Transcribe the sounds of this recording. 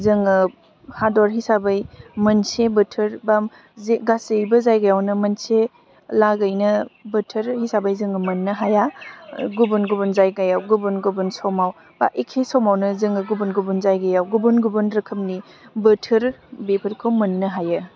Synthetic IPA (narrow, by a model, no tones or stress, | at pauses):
zɯŋɯ | hadɔɾɦisabajmɐnsebətʰɯɾba | zeɡasejbɐzajɡajawnɯmɐnse | laɡəjnɐbətʰəɾhisabajzɯŋɯmɐnːɐɦajaɡubunɡubunzajɡajawɡubunɡubɯnsawmaw | b̥a̰ʔekʰesawmawnɯzɯŋɯɡubunɡubunzajɡajawɡubunɡubɯnɾɐkʰɯmni | bətʰəɾbepʰɐɾkʰɯwmɐnːɯɦajɯ